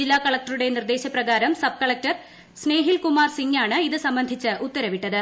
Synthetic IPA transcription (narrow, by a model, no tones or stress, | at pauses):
ilːaːkɐɭɐk̚ʈɐɾuɽe̞nird̪e̞ːɕɐprɐɡaːɾɐmsɐb̚kɐɭɐk̚ʈɐr | sne̞ːɦilkumaːrsiŋɡaːɳɨiðɨsɐmbɐnd̪ʱit͡ɕːɨʔut̪ːɐɾɐʋiʈːɐðɨ